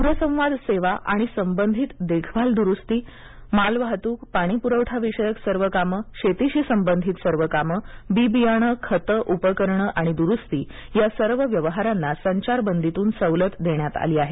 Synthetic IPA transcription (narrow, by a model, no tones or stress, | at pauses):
puɾəsə̃w̃ʋad̪seʋaʔa̰ɽ̃isəmbənd̪ʱiːt̪d̪ekʰbʱald̪uɾust̪iː | malʋaɦt̪uːk̚paɽ̃ipuɾəwʈʰaʋiɕəjəksəɾʋəkaməɕet̪iɕiːsəmbənd̪ʱit̪səɾʋəkaməbibijəɳ̃əkʰət̪əʔupəkəɾɳəʔaɽ̃id̪uɾust̪iː | jasəɾʋəʋjəʋəɦaɾanːasəɲt͡ɕaɾbənd̪ʱit̪uːnsəʋlət̪d̪eɳjat̪a̰liːaɦe